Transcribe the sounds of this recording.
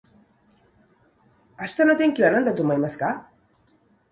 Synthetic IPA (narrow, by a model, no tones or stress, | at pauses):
aɕi̥t̪ano̞t̪ẽ̞ŋkʲiβanãnd̪at̪o̞ːmoimasɨ̥ka